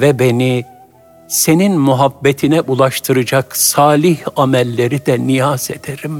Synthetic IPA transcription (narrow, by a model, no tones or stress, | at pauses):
vɛbe̞ni | se̞ninmyɦabːet̪ʰinɛʔulˠaʃt̪ʰɯɾɯd͡ʒaksaːlʲihamɛlʲːe̞ɾid̪ɛnijased̪̥eɾim